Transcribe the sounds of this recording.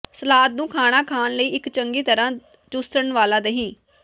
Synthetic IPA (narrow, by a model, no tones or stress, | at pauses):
səlaːt̪̚nũːkʰaːɽ̃aːkʰaːnləiːɪkt͡ʃəŋɡiːt̪əɾãː | d͡ʒʊsəɳʋaːlaːd̪əɦĩː